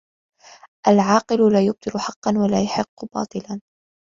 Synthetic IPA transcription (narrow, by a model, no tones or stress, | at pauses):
ʔalʕɑːqɨlʊlaːjʊb̚t̪ˤɨlʊħɑqːɑnwalaːjaħɪqːʊbɑ̰ːt̪ˤɨlan